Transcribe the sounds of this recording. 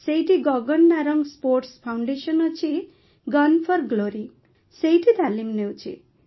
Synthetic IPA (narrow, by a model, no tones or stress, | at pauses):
sejʈiɡʌɡʌnːaɾʌŋɡsporʈspʰawɳɖesʌnʌt͡sʰi | ɡʌnpʰʌrɡloɾi | sejʈid̪ʱalimnewt͡sʰḭ